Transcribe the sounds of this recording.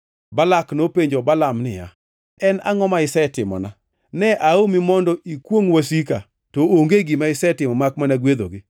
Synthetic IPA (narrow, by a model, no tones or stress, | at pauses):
balaknopeɲd͡ʒobalamnɪ̰ja̰ | ɛna̰ŋɔmaɪsɛtɪmɔ̰na | nɛʔaomimɔndɔʔikwoŋwasika̰ | tɔoŋɡeɡimaɪsɛtɪmɔmak̚manaɡwed̪o̰ɡɪ